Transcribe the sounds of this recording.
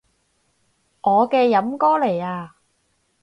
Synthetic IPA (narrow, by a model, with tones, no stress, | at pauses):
ŋʔɔː˨˧kɛː˧jɐ˨˥mkɔː˥le˨˩jaː˧